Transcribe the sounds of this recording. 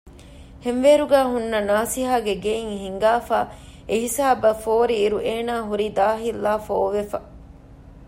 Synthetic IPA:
henʋeːɾuɡæːɦunːɐnaːsiɦaːɡeɡeiŋhiŋɡaːfaː | eɦisaːbɐfoːɾiːɾuʔeːnaːɦuɾid̪aːɦilːaːfoːʋefɐ

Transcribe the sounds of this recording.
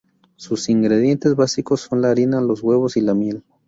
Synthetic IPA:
susiŋɡɾe̞ðje̞nt̪e̞zβasiko̞sːo̞nlaːɾinalo̞zɣwe̞βo̞silamje̞l

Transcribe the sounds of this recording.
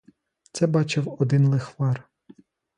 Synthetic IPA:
t̪sɛbɑt͡ʃɪwɔd̪ɪnlˠɪxʋɑr

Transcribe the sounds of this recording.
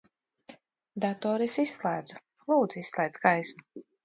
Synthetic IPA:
d̪at̪ɔːɾisisːlˠæːd̪zu | lˠuːd̪zuissːlˠɛjd̪skajsmu

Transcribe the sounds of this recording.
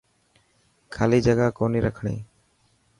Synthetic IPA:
kʰalid͡ʒaɡakɔniɾakʰɽ̃ḛː

